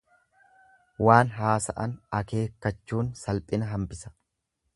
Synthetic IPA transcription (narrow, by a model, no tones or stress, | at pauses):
waːnɦaːsɐ̰ʔɐnɐke̞ːkːɐt͡ʃːuːnsɐlpʼɪnɐɦɐmpɪsɐ̥